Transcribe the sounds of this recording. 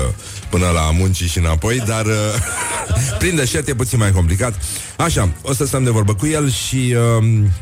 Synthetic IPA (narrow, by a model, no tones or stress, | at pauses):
pɨnəla̰munt͡ʃiʃiɨnapo̞jd̪arə | pɾind̪eʃert̪je̞p̬ut̪sinmajk̬o̞mplikat̪ | aʃaosəst̪əmd̪e̞vo̞rbəkuje̞lʃiəm